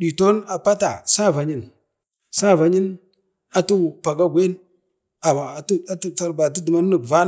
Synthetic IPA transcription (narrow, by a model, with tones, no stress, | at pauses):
ɗi˨to˦na˨pa˦ta˨sa˦˨va˨ɲi˦n | sa˦˨va˨ɲi˦n | a˨tu˦˨pa˨ɡa˦ɡʷe˦n | a˨ma˨tu˦a˦tu˦ta˨ɾba˨t̬u˦du˨ma˦nː˦ə˨kva˦n˦